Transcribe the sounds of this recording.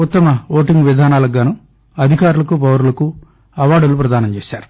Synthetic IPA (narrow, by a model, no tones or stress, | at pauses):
ut̪ːɐmɐoːʈiŋɡʋid̪ʱaːnaːlɐɡːaːnu | ɐd̪ʱikaːɾulɐkupɐʋɐɾulɐku | ɐʋaːɖulupɾɐd̪ʱaːnɐmt͡ʃeːsaːɾu̥